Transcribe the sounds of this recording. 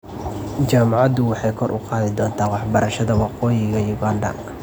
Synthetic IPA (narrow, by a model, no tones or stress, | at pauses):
t͡ʃaːmɑʕɑd̪ʊwɑħɑjkʰɔrʔʊ̰qɑːðɪd̪ɔːnt̪ʰaːnwɑħbɐɾʔɐʃɐðɐwɑqɔːjɪɣɐjuɡaːndɐ̰ŋkʰ